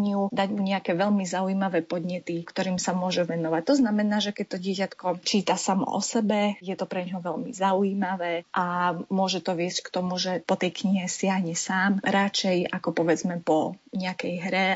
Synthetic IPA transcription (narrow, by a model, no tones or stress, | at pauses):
ɲɪud̪aɟmuɲɛakɛːʋɛʎmizaujiːmaʋɛːpɔd̪ɲɛt̪ikt̪ɔɾiːmsamʊɔʒɛʋɛnɔʋac̚t̪ɔznamɛnaːʒɛkɛc̚t̪ɔɟɪɛcat̪kɔt͡ʃiːt̪asamɔ̰ʔɔ̰sɛbɛjɛt̪ɔpɾɛɲɦɔʋɛʎmḭzauiːmaʋɛːʔamʊɔʒɛt̪ɔʋɪɛsckt̪ɔmuʒɛpɔt̪ɛjkɲiɦɛsɪaɦɲɛsaːmɾat͡ʃɛjakɔpɔʋɛd͡zmɛpɔɲɛakɛjɦɾɛ